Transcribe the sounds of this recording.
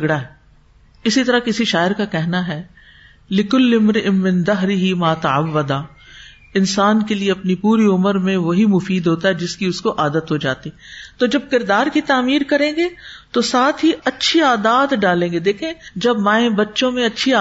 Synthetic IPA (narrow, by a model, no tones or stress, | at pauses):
ɡɽaɦɛ | ɪsit̪ɐɾakɪsiʃaːɪɾkakɛɦnaɦɛː | lɪkʊlːɪmɾɪʔɪnmɪ̃nd̪ɐɦɾɪɦimaːt̪ɐɐʋːɐd̪aː | ɪnsaːnkelieɐpnipuːɾiʊməɾmẽʋɐɦimʊfiːd̪ɦoːt̪aɦɛd͡ʒɪskiʊskoʔaːd̪ət̪ɦod͡ʒaːt̪iɛt̪oːd͡ʒɐb̚kɪɾd̪aːɾkit̪aːmiːɾkɐɾẽːɡet̪osaːt̪ʰɦiʔɐtːʃʰiaːd̪aːd̪ɖaːlẽːŋɡed̪eːkʰẽd͡ʒɐbmãːẽbɐtːʃõmẽɐtːʃʰiaː